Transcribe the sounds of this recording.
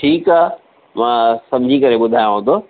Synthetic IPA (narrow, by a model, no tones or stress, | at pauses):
ʈʰiːkaː | mãːsɐ̃md͡ʑʱikɐɾeɓʊd̪ʱaːjõɦõːd̪oː